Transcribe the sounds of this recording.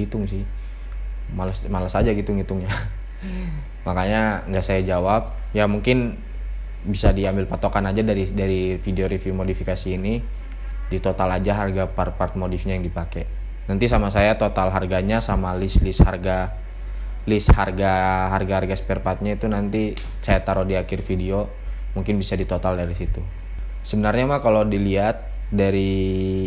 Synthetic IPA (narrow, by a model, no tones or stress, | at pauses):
it̪ʊŋsɪh | malasmalasad͡ʒaɡit̪ʊŋit̪ʊŋɲa | makaɲaŋɡaʔsajad͡ʒawap̚ | jamuŋkɪn | bisadiambɪlpat̪okanad͡ʒadaɾidaɾifideoɾifimodifikasiːni | dit̪ot̪alad͡ʒaɦarɡapart̪̚part̪̚modifɲajaŋdipakɛ | nant̪is̬amasajat̪ot̪alɦarɡaɲasamalɪslɪsha̰rɡa | lɪsharɡaɦarɡaɦarɡasə̥pɛrpat̪̚ɲait̪unant̪i | sajat̪aɾodiakɪrfidio | muŋkɪnbisadit̪ot̪aldaɾisit̪u | səbənarɲamakalodiliat̪̚ | daɾi